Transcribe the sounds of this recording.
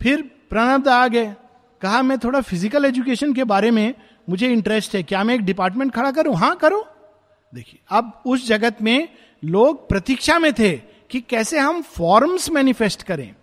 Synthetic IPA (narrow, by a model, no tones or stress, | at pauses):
pʰɪɾpɾɐɽ̃əb̚d̪aːɡɐe | kɐɦamɛ̃t̪ʰoːɽafɪzɪkəleːd͡ʒʊk̬eːʃənk̬ebaːɾemẽ | mʊd͡ʒʱeɪ̃ɳʈɾɛsʈɦɛkjaːmɛ̃eːk̚ɖɪpaːɾʈmẽɳʈ̚kʰɐɽak̬ɐɾũɦãːkɐɾoː | d̪eːkʰieɐbʊsd͡ʒɐɡət̪mẽ | loːɡ̚pɾɐt̪ɪkʃamẽt̪ʰe | kikɛːseɦɐmfɔːɾmsmɛːnɪfɛsʈkɐɾḛ̃ː